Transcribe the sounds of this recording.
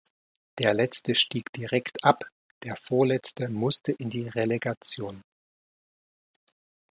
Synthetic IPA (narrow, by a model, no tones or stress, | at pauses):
d̥eːɐlɛt͡stəʃtiːkd̥iʁɛktʔap | d̥eːɐfoːɐlɛt͡stəmʊstʰəʔɪndiːʁeleɡat͡sjoːn